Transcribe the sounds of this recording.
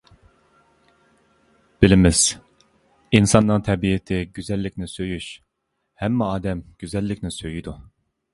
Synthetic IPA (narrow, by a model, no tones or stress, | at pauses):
b̥ilɪmɪz̥ | insɑnːɨŋt̪ʰɛbiɪt̪ʰɪɡʲyzɛlːɪkʲnɪsøjyʃ | hɛmːɛɑːd̪ɛmɡ̥ʲyzɛlːɪkʲnɪsøjyd̪u